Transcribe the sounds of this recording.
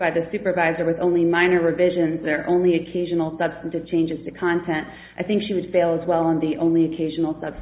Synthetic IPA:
b̥aɪðɨsʉpə˞vaɪzə˞wɨðõʊ̃nlimãɪ̃nə˞ɹɨvɪʒɨ̃nzðə˞ʔõ̰ʊ̃nliɨkʰeɪʒɨnl̩ˠsʌb̥stɨ̃n̩tɨv̥t͡ʃʰẽɪ̃nd͡ʒɨz̥tʰɨkʰɑ̃ntʰɛ̃nt | ʔaɪθɪ̃ŋkʃiwɨd̥feɪlˠəzwɛlˠə̃nðiʔõʊ̃nliɨkʰeɪʒɨn̩l̩ˠsʌb̥s

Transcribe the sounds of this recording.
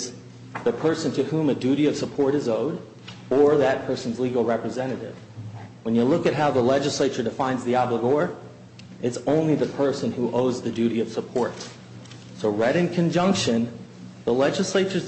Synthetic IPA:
z | ðɨpʰɜ˞sɨ̃ntʰɨhũmɨdʉɾiʌv̥səpʰɔɹɾɨzoʊɾ | ə˞ðɨt̚pʰɜ˞sn̩zliɡl̩ˠɹɛpɹɨzɛɾ̃ɨɾɪ̰v̥ | wə̃njɨlʊkɨt̚ɦaʊðəlɛd͡ʒɨsleɪt͡ʃə˞dɨfãɪ̃nzðiɑbləɡɔɹ | ʔɨtsõʊ̃nliðɨpʰɜ˞sɨ̃nhuʔoʊzðɨdʉɾiʌv̥səpʰɔɹt | soʊɹɛɾɨ̃nkʰɨ̃nd͡ʒʌ̃ŋkʃɨ̃n | ðəlɛd͡ʒɨsleɪt͡ʃə˞z

